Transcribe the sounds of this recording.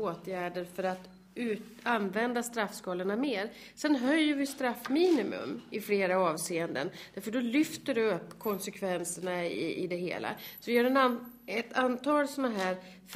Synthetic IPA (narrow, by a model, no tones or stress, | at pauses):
oːt̪jæːɖəɾfœɾat̪ | ʉːanvɛnd̪ast̪ɾafːskɑːləɳameːɾ | sɛnɦœjːəɾvɪst̪ɾafːmiːnɪmɵ̰mɪfleːɾaɑːvseːənd̪ə̰nd̪æɾfœɖɔlʏft̪əɖɛɵpːkʰɔnsɛkʰvɛnsəɳaɪ̰ɪ̰d̪ɛɦḛːla̰sɔvɪjœːɖɛnaɛt̪ant̪ʰɑːlsɔnaɦæːɾ | f